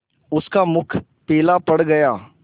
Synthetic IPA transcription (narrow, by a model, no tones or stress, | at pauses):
ʊskamʊkʰ | peːlapɐɽɡɐjaː